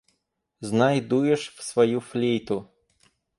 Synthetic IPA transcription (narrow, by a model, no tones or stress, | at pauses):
znajd̪ujɛʂfsvɐjuflʲejt̪ʊ